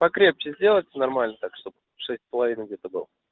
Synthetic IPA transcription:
pɐkɾʲe̞p̚t͡ɕɪzʲdʲelˠətʲnɐrmalʲnət̪akʂt̪o̞p | ʂɛsʲtʲspəlˠɐvʲinəɡ̚dʲet̪əbɨ̰lˠə

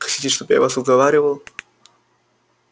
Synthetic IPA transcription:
xɐ̥tʲitʲɪʂt̪obja̰vasʊzɡɐvaɾʲɪvəlˠ

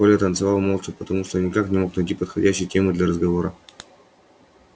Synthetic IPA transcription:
olʲət̪ənt̪sɨvalˠmolˠt͡ʃɪpət̪ɐmuʂt̪onʲɪkaknʲɪmo̞knɐjtʲipət̪xɐdʲæɕːɪjtʲemɨd̪lʲɐɾəzɡɐvo̞ɾə

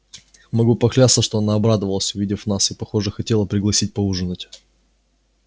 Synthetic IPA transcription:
mɐɡupɐxlʲat̪səʂt̪oɐnaɐbɾad̪əvəlˠəsʲʊvʲidʲɪfnasɨpɐxo̞ʐəxɐtʲe̞lˠəpɾʲɪɡlˠɐsʲit̚ʲpɐuʐɨnʊtʲ

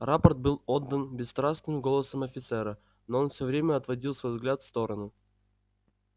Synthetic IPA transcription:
rapərt̪̚bɨlˠo̞d̪ːənbʲɪst̪ɾasnɨmɡo̞lˠəsəmɐfʲɪt̪sɛɾə | noonfsʲɵvɾʲemʲəɐt̪vɐdʲilˠsvojvzɡlʲat̪fst̪o̞ɾənu

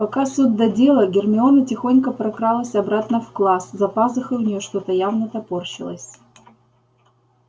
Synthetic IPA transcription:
pɐkasut̪̚d̪ɐdʲe̞lˠəɡʲɪrmʲɪo̞nətʲɪxo̞nʲkəpɾɐkɾalˠəsʲɐbɾat̪nəfklˠaszɐpazɨxəʊnʲɪjoʂt̪o̞t̪əjavnət̪ɐport͡ɕɪlˠə̰sʲ

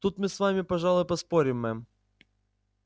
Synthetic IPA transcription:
t̪ut̪mɨsʋamʲɪpɐʐɑlˠʊjpɐspoɾʲɪmːɛ

